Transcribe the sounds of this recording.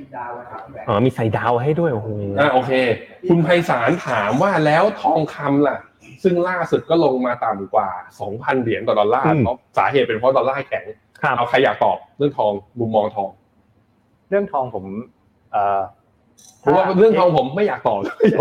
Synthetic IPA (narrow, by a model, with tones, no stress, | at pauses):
wʔɔː˨˩miː˧sa˨˩jdaː˧wɦa˥˩jdu˥˩əjʔo˨˩hʰo˧ʔaː˧ʔoː˧kʰeː˧kʰu˧npʰa˧jsaː˩˦nt̪ʰaː˩˦mwaː˥˩lɛː˦˥wt̪ʰɔː˧ŋkʰa˧mla˨˩ʔ | sɯ˥˩ŋlaː˥˩su˨˩t̪̚kɔː˥˩lo˧ŋmaː˧t̪aː˨˩m˨˩kwaː˨˩sɔː˩˦ŋpʰa˧ndi˩˦nt̪ɔː˨˩dɔ˧nlaː˥˩˧ɔ˦˥p̚saː˩˦ɦeː˨˩t̪̚pe˧npʰɾɔ˦˥dɔː˧nlaː˥˩kʰɛ˨˩˦ŋ | kʰʔa˧wkʰa˧jːaː˨˩k̚t̪ɔ̰ː˨˩p̚ɾɯ˥˩əŋt̪ʰɔː˧ŋlu˧mːɔː˧ŋt̪ʰɔː˧ŋ | ɾɯ˥˩əŋt̪ʰɔː˧ŋpʰo˩˦m | ʔɤː˧˩ | pʰo˨˦waː˥˩˥ɾɯ˥˩əŋt̪ʰɔː˧ŋpʰo˩˦mːa˥˩jaː˨˩k̚t̪ɔː˨˩p̚du˥˩˨əj